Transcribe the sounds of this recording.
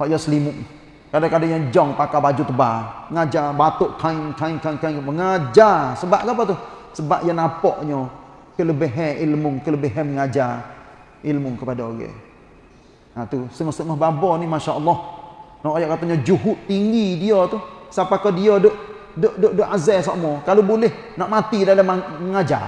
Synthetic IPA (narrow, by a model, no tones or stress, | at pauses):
hɔʔjasəlimʊʔ | kadakadaʔɲɔd͡ʒɔŋpakabad͡ʒut̪əbaəŋad͡ʒabat̪oʔkʰaiŋkaiŋkaŋkaŋkəŋad͡ʒasəbaʔɡapat̪usəbaʔjanapɔʔɲɔ | kələbeɦɛʔilmʊŋkələbəɦɛməŋad͡ʒa | ilmuŋkəpadaoɡɛ̰ | at̪usəŋɔst̪əŋɔhbabɔnimaʃaʔəlːɑh | nɔʔajaʔkat̪ɔɲɔd͡ʒuɦuʔt̪ːiŋɡidiɔt̪usapakɔdiɔdoʔ | doʔdoʔdoʔazɛsaʔmɔkalubolɛh | naʔmat̪idaləmaəŋad͡ʒa̰